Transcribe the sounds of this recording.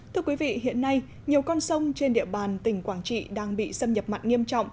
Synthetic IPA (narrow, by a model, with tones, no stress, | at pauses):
t̪ʰɨ˧əkwi˨˦vḭ˧˨ɦḭ˧˨ənːa˧j | ɲi˨˩əwkɔ˧nsə˧wŋ͡mt͡ɕe˧nɗḭ˧˨əɓaː˨˩nt̪ï˧˩ŋ̟kwaː˧˩nt͡ɕḭ˧˨ɗaː˧ŋɓḭ˧˨sə˧mɲə˨˩p̚ma̰˨˧˨jt̚ŋi˧əmt͡ɕɔ̰˧˨wŋ͡mʔ